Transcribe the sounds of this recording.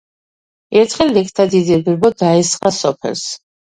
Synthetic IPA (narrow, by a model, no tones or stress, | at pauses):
ɛɾt̪ʰχɛld̪ɛkʰt̪ʰad̪id̪ibiɾbɔd̪aɛsχasɔpʰɛ̰lˠs